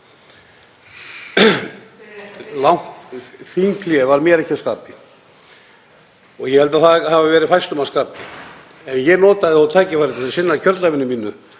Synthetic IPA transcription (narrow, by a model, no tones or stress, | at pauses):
lawŋ̥tθiŋkʰljɛvaɾmjɛɾɛhcaskaːpɪ | ɔɣjɛhɛlt̪aθaðhavavɛːɾɪfajst̪ʏmaskaːpɪ | ɛnjɛnɔːt̪aðɪawt̪ʰaːcɪfajɾɪt̪ʰasasɪnːacʰœɾt̪lavɪnːʏmiːnʏ